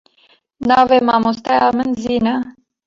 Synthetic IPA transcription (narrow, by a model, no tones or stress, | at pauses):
navemamost̪ajamənzina